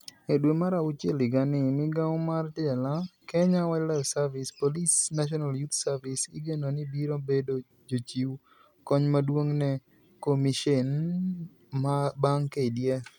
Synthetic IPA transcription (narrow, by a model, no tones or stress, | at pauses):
edwemaɾaʊt͡ʃelɪɡanɪmɪɡamartɪɛlakɛɲawat͡ʃlafsaɾvɪspolisnaʃ̬ɔnaljut̪saɾvɪsɪ̰ɡenonɪbiɾobedo | d͡ʒot͡ʃiw | kɔɲmadwoŋnɛ | komiʃen | mabaŋkeidjɛ